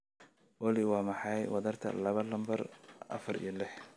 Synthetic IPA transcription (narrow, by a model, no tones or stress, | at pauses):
wɑlɪwɑːmɑħɑjwɐðɐrt̪ʰɐ̰lɐβɐlɐmbɐrʔɐ̰fɐrḭːlɪħ